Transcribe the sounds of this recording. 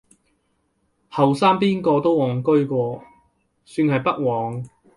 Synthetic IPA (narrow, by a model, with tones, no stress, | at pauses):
hɐ˨wsaː˥ŋpiː˥nkɔː˧t̪o˥wwɔː˨˩ŋkɵ˥ɥkʷɔː˧ | syː˧nɦɐ˨jpɐ˥k̚wɔː˨˧ŋ